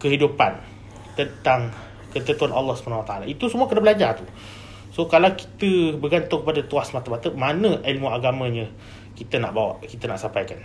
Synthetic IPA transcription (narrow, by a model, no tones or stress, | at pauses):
kəɦidupan | t̪ənt̪aŋ | kət̪ət̪uanʔalːɔhsə̥pənawat̪aalait̪usəmuakənabəlad͡ʒat̪u | sokalawki̥t̪əbəɡant̪ʊŋkəpadat̪uahsmat̪amat̪əmanə̃ʔilmuaɡamãɲə̃ | kit̪əna̰ʔbawa̰ʔkit̪ənaʔsampajkan